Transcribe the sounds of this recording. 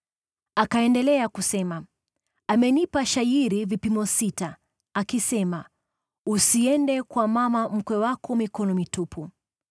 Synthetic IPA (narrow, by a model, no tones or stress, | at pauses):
akaɛndɛlɛakusɛma | amɛnipaʃajiɾivipimɔsita | akisɛma | usiɛndɛkwamamam̩kwɛwakɔmikɔnɔmitupʰu